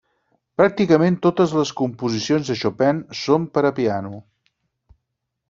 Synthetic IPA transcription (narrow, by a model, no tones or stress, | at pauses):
pɾak̚t̪ikəment̪ot̪əzləskumpuzisionzðəʃopɛnsompəɾəpianu